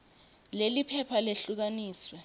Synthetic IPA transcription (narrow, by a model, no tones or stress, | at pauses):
lelipʰɛpʰaleɬuk̬aniːswɛ